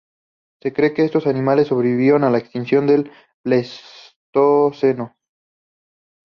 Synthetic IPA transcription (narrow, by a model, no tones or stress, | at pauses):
se̞kɾe̞ke̞est̪o̞sanĩmalesːo̞βɾeβiβjeɾonalaekst̪insjo̞nd̪e̞l | bles | t̪oseno